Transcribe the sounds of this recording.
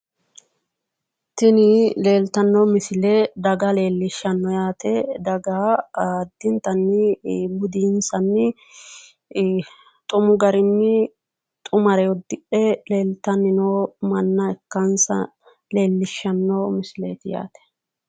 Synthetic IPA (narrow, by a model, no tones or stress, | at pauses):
t̪ɪnɪle̞ːlt̪ɐnːɔmɪsɪled̪ɐɡɐle̞ːlːɪʃːɐnːɔjaːt̪ʰɛd̪ɐɡa | d̪ːɪnt̪ɐnːɪbʊd̪iːnsɐnːɪ | t̪ʼʊmʊɡɐɾɪnːɪ | t̪ʼʊmɐɾɛwɔd̪ːɪʔɛle̞ːlt̪ːɐnːɪnoːmɐnːɐɛkːɐnsɐ̰ | le̞ːlːɪʃːɐnːɔmɪslḛːt̪ɪja̰ːt̪ɛ̥